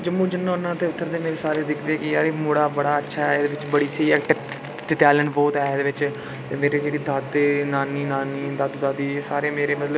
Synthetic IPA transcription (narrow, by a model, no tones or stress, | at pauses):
d͡ʒəmːũːd͡ʒɪnːãːʊnːãːt̪eːʊt̪ːəɾd̪eːmeːɾeːsaːɾeːd̪ɪkʰd̪eːkɪaːɾeːmoːɽaːbəɽaːətːʃʰaːɛed̪eːʋɪt͡ʃbəɽiːsəiːɛː | ɖɪʈɛːləɳʈbɔːt̪ɛːd̪eːʋɪt͡ʃ | t̪eːmeːɾeːd͡ʒeːɽiːd̪ʱət̪ːnaːniːnaːniːd̪ət̪d̪aːd̪iːsaːɾeːmeːɾeːmət̪lə